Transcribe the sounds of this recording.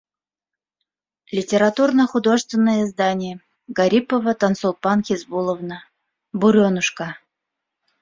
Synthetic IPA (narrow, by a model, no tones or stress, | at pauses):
lʲɪtʲɪɾat̪urnəxʊd̪o̞ʐɨst̪vʲɪnːəjəzd̪anʲɪjə | ɡaɾʲipəvət̪ɐnsolˠpɑnxʲɪzbulˠəvnə | buɾʲonuʂka